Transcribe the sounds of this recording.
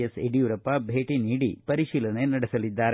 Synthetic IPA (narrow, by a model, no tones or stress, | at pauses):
ɐsḛɖijuɾɐpːɐbʱe̞ːʈiniːɽḭpɐɾiʃiːlɐnenɐɽɐsɐlid̪ːaːɾe